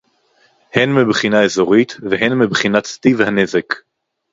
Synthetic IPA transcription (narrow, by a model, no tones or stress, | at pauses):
henmibχinaezo̞ʁit̪veɦenmibχinat̪st̪ivhanezek